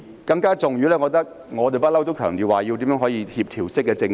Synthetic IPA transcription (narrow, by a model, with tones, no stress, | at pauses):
kɐ˧ŋkaː˥t͡sʊ˨ŋjyː˨˥lɛː˥kɔː˧˥t̪ɐ˥k̚ | ŋɔː˨˧t̪e˨jpɐ˥t̚lɐ˥wt̪o˥wkʰœː˨˩ŋt̪iː˨˩waː˨˩ji˧wt̪i˨˥mœː˧˥ŋɦɔː˨˥jiː˧hiː˧p̚t̪ʰiː˨˩wsɪ˥k̚ːɛː˧t͡sɪ˧ŋ